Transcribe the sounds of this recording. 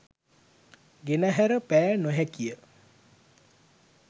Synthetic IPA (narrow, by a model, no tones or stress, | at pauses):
ɡenəɦæɾəpæjnoɦɛkijə